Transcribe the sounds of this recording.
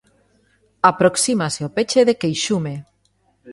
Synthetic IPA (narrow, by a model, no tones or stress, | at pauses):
apɾoksimaseopet͡ʃeðekejʃume